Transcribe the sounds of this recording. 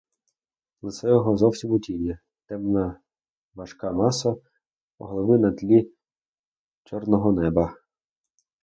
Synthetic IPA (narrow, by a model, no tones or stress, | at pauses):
lˠɪsɛjɔɦɔzɔwsʲimʊtʲinʲɐ | t̪ɛmnɐ | ʋɐʃkɑmɑsɐ | ɔɦlˠɔʋɪnɐt̪ʲlʲi | t͡ʃɔrnɔɦɔnɛbɐ